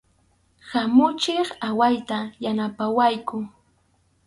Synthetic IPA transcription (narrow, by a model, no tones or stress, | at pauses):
hamʊt͡ʃɪχawajt̪ajanapawajkʊ